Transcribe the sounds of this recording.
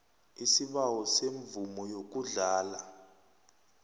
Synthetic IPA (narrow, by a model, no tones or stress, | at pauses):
isiɓawɔseɱvumɔjok̬ʼuɮaːla